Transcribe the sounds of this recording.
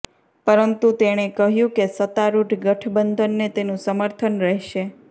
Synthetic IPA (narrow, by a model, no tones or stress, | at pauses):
pəɾənt̪ut̪eɽ̃ekəɦjũkesət̪aɾuʈʰɡəʈʰbənd̪ʱənːet̪enũsəməɾt̪ʰənɾəɦʃe